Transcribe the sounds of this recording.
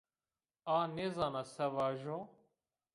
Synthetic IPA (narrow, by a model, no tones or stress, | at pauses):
aːnezaːnasɐʋaːʒo